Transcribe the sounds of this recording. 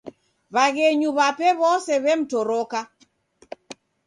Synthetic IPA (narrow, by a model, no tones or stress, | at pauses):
βaɣeɲuβapɛβɔsɛβɛm̩tɔɾoka